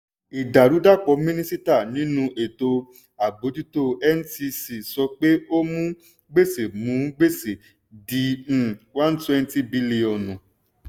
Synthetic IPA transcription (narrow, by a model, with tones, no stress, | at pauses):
i˨da˨ɾu˨˦da˦˨k͡pɔ˨˧mĩ˦nĩ˦si˦ta˦˨nĩ˨˦nũ˧ʔe˨to˧ | a˨bo˨˦ti˦to˧˦ɛ˦n̩˦ti˧si˨sɔ˧k͡pe˦o˦mũ˦ | ɡ͡be˦˨se˨mũ˨˦ɡ͡be˦˨se˨ | dĩ˨˧˦wã˦n˦twɛ̃˦n˦ti˦bi˧li˧ɔ̃˨nũ˨